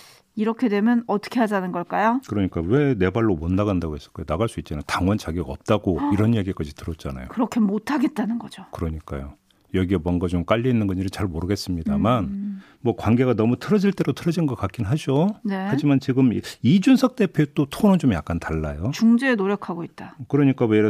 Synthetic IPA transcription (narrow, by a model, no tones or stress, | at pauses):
iɾʌkʰe̞dwe̞mjʌnʌt͈ʰʌ̥kʰe̞ɦadanɯnɡʌɭk͈ajokɯɾʌɲik͈awe̞ne̞baɭːomondaɡandaɡoes͈ʌ̥ɭk͈ajonaɡaɭs͈uit̚t͡ɕinɯtaŋwant͡ɕaɡiɡaʌp̚t͈aɡoiɾʌnjaɡik͈ad͡ʑitɯɾʌt̚t͡ɕ͈ana̰jo̰kɯɾʌkʰe̞motʰaɡe̞t̚t͈anɯnɡʌd͡ʑokɯɾʌɲik͈a̰jo | jʌɡiemwʌnɡat͡ɕomk͈aʎːiinːɯnɡʌnd͡ʑiɾit͡ɕaɭmoɾɯɡe̞s͈ɯmɲidaman | mwʌkwanɡe̞ɡanʌmutʰɯɾʌd͡ʑiɭt͈e̞ɾotʰɯɾʌd͡ʑinɡʌk͈ak͈inɦad͡ʑone̞had͡ʑimant͡ɕiɡɯmid͡ʑunsʰʌk̚t͈e̞pʰjoet͈otʰonot͡ɕomjak͈antaɭːajot͡ɕuŋd͡ʑeːnoɾjʌkʰaɡoit̚t͈akɯɾʌɲik͈aweɾ